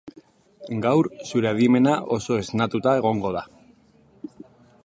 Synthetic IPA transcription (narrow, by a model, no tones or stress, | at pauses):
ɡawɾsuɾe̞aðime̞naʔo̞so̞e̞znat̪ut̪ae̞ɣ̞o̞ŋɡo̞ð̞a